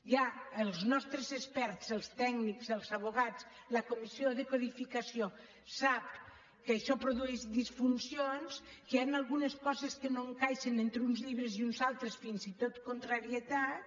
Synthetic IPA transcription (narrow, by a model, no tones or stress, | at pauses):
jaəlˠznɔst̪ɾəzespɛɾt̪t͡səlˠst̪ɛɡnikzəlˠzaβ̞uɣat͡s | lakomisioðəkoðifikasio | sap̚ | kəːʃɔpɾoðuɛʒd̪isfunsionskəanalˠɣuneskɔzeskənoeŋkajʃenent̪ɾeunzʎiβɾeziunzalˠt̪ɾesfinzit̪ot̪kont̪ɾaɾiət̪at̪̚